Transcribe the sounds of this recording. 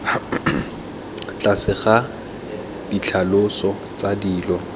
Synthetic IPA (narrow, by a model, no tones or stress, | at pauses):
t͡ɬʼasɪχa | d̥it͡ɬʰalʊsɔ | t͡sadiːlɔ